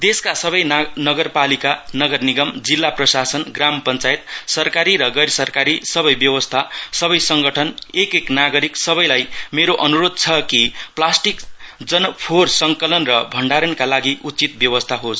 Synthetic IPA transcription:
d̪eskasʌbʌjnʌɡʌrpalikanʌɡʌrniɡʌmd͡zilːaprʌsasʌnɡrampʌnt͡sajt̪̚sʌrkaɾiɾʌɡʌɾsʌrkaɾisʌbʌjbjʌwʌst̪ʰasʌbʌjsʌŋɡʌʈʰʌnekeknaɡʌɾiksʌbʌjlajmeɾoʔʌnuɾod̪̚t͡sʰʌkiplasʈikd͡zʌnpʰorsʌŋkʌlʌnrʌbʱʌɳɖaɾʌnkalaɡiʔutt͡sit̪̚bjʌwʌst̪ʰaɦos

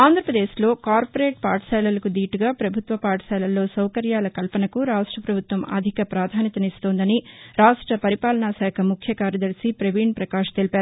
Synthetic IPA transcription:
aːnd̪ʱɾɐpɾɐd̪e̞ːʃlo̞ːkaːɾpɐɾeːʈ̚paːɾʈsɛːlɐlɐkud̪iːʈuɡaːpɾɐbʱut̪ʋɐpaːʈsɛːlɐlːo̞ːsɐwkɐɾjaːlɐkɐlpɐnɐkuɾaːʂʈɾɐpɾɐbʱut̪ʋɐmɐ̰d̪ʱikɐpɾaːd̪ʱaːnjɐt̪ɐnist̪oːnd̪ɐniɾaːʂʈɾɐpɐɾipaːlɐnaːsaːkʰɐmukʰjɐkaːɾjɐd̪ɐɾsipɾeʋiːɳpɾɐkaːʂɐ̥t̪elipaːɾu

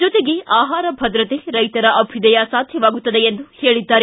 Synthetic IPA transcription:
d͡ʒɔt̪eɡeʔaːɦaːɾɐbʱɐd̪ɾɐt̪eɾɐjt̪ɐɾɐʔɐbʱid̪ɐjasaːd̪ʱjɐʋaːɡut̪ːɐd̪eend̪uheːɭid̪ːaːɾe

